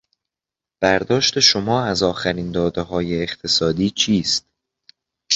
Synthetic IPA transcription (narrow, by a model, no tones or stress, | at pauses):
b̥æɾd̪ɒːʃt̪e̞ʃomɒːæzɒːxæɾiːnd̪ɒːd̪eɦɒːjeːxt̪ʰe̞sɒːd̪iːt͡ʃʰiːst̪